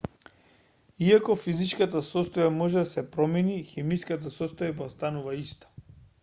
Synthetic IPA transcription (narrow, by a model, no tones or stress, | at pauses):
iakɔfizit͡ʃkat̪asɔst̪ɔjamɔʒɛd̪asɛpɾɔmɛnixɛmijskat̪̬asɔst̪ɔjabaost̪anuvaist̪ḁ